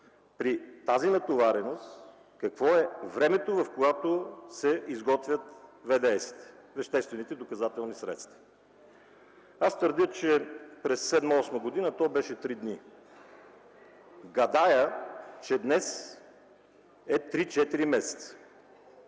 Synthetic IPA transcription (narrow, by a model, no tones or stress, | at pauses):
pɾit̪azinɐt̪ovaɾɛnost̪ | kɐkvɔɛvɾɛmɛt̪ovɐfkojat̪osɛizɡɔt̪vʲjət̪vɛd̪ɛɛsi̥t̪ɛ̥ | vɛʃt̪ɛst̪vɛnit̪ɛd̪okɐzat̪ɛlˠnisɾɛ̰t̪st̪və̥ | ast̪vəɾd̪ʲət͡ʃɛpɾɛsːɛd̪mɔsməɡod̪inət̪ɔbɛʃɛt̪ɾid̪ni | ɡɐd̪ajət͡ʃɛd̪nɛs | ɛt̪ɾit͡ʃɛt̪iɾimɛsɛ̥t̪sə̥